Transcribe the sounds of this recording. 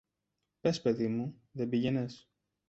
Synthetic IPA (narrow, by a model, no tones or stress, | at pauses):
pe̞spe̞ðimu | ðebiʝenes